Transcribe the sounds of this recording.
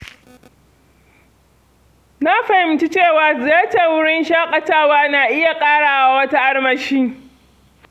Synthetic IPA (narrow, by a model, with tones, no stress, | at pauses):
na˦ɸa˨hɪ˨˦mt͡ʃi˦t͡ʃeː˦˨waː˨zɪ˨jaː˦tɐ˨wʊ˦ɽɪ˦nʃaː˦kʼɐ˨taː˦˨waː˦naː˨ʔɪ˦ja˨kʼaː˦ɽaː˨ʔaa˨wɐ˦ta˦ʔa˦ɽmɐ˨ʃiː˦